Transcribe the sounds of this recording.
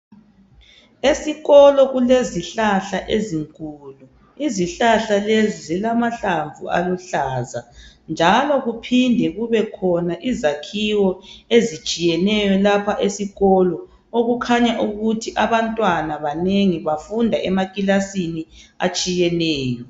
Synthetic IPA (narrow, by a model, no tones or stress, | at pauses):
esiɣɔlɔɣuleziɬaɬaʔeziŋkʼulu | iziɬaɬalezizilamaɬaɱvṵa̰luɬaːzand͡ʒʱalɔɣupʰindʱɛɣuβɛkʰɔnaʔizakʰiwɔezit͡ʃʼijɛnɛjɔlapʰaʔesiɣɔlɔ | oɣukʰaɲaʔuɣutʰiʔaβantʼwanaβaneŋiβafundʱaʔɛmakʼilasinia̰t͡ʃʼijɛnɛːjɔ